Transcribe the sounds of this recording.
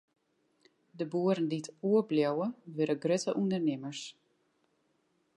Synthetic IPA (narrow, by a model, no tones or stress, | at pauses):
dəbuəɾənditʰuəbljawəʋɪɾəɡrøtəʔundərnɪməɹs